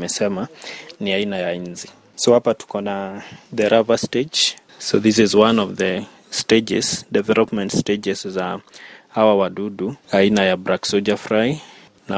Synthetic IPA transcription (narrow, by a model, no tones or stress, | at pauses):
mɛsɛmaniainajainzi | sohapatu̥kɔnadɛɾavasted͡ʒ | soðis̬izwãnɔvðə | sted͡ʒɛ̰z̥dɛvɛlɔpmɛ̃ntsted͡ʒɛszahawawaduduainajabɾaksɔd͡ʒafɹaɪ | na